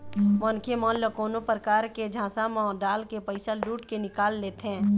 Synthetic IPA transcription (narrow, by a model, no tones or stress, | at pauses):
mənkʰemɔːnləkoːnopɾəkaːɾked͡ʒʱãːsamãɖaːlkepəɪsaluːʈkenɪkaːlːeːt̪eɦɛ̃ː